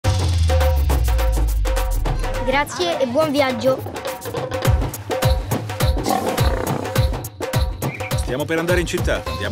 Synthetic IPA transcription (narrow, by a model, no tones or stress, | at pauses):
ɡɾat̪sːjeʔebːwɔɱvjad͡ʒːo | st̪jaːmopeɾand̪aːɾeint͡ʃit̪ːad̪ja̰